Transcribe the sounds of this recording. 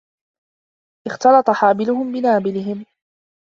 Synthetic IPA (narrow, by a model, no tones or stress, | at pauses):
ʔɪxt̪ɑlɑt̪ˤɑħaːbɪlʊhʊmbɪnaːbɪlɪɦɪm